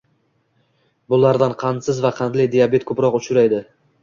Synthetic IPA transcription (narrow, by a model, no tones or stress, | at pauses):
bʊlˠaɾd̪anqʰɑnsɪzvaqʰɑnlɪjd̪ijabe̞t̪̚kʰɵpɾɒqʊt͡ʃʰʊɾajd̪ɪ